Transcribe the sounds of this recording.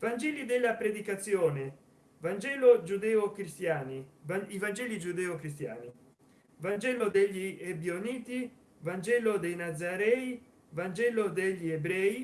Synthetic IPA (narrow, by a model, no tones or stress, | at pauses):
vand͡ʒɛlid̪elːapɾed̪ikat̪sːjoːne | vand͡ʒɛːlod͡ʒud̪ɛːokɾist̪jaːniaivand͡ʒɛːlid͡ʒud̪ɛːokɾis̬t̪ja̰ːni | vand͡ʒɛːlod̪eʎːiebjoniːt̪i | vand͡ʒɛːlod̪ejnad̪zːaɾɛːi | vand͡ʒɛːlod̪eʎːiebɾɛːi